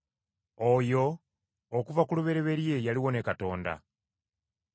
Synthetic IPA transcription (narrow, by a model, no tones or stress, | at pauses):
ojo̞ː | kuvakuluβe̞ɾe̞βe̞ɾje̞jaliwo̞ne̞kato̞ːnda̰